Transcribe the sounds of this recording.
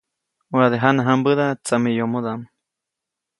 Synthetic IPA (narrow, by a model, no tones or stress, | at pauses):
waðeɦanaɦambəðat͡samijomod̪am